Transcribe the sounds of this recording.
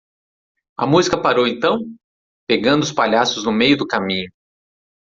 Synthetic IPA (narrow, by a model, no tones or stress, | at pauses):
ɐ̰muzikɐpaɾowẽnt̪ɐ̃w̃ | peɡɐ̃nd̪ʊspaʎasʊznʊmejʊd̪ʊkamĩɲʊ